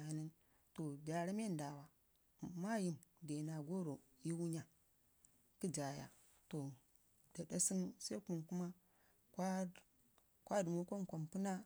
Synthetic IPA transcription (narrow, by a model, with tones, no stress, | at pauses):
ni˦n | to˨da˨ɾa˦m˦e˦˨nda˨wa˨ | ma˦ji˨mde˨na˨ɡo˦ɾo˨ | ji˦wu˦ɲa˦ | ki˦d͡ʒa˨ja̰˨ | to˨ | da˨da˦si˦nsa˦ku˨nku˦ma˦ | ka˦ | kʷwa˦du˨mu˦ko˦nkʷo˨mpu˦na˦